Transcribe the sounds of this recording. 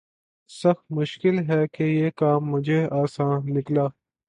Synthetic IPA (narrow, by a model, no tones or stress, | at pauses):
sɐxmʊʃkɪlɦɛːkejeːkaːmːʊd͡ʒʱeaːsãːnlɪklaː